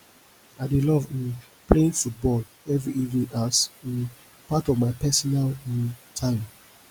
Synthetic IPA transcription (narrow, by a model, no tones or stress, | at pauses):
aɪdelɔvĩn | pleĩnfut̚bɔl | ɛvɹiivnĩnasĩn | patɔvmaɪpɛsɔnaltʰãɪ̃m